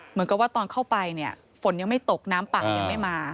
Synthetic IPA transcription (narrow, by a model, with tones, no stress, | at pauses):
mɯ˩˦nka˨˩p̚waː˥˩t̪ɔː˧nkʰa˥˩wpa˧jni˥˩ɐ | fo˨˩˦nja˧ŋma˥˩jt̪o˨˩k̚naː˦˥mpa˨k̚ja˧ŋma˥˩jmaː˧